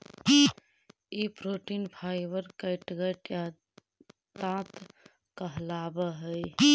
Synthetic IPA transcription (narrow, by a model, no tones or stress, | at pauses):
ipɾoʈinpʰajbəɾkəɪʈɡəʈja | t̪ãt̪ | kəɦlabəɦəj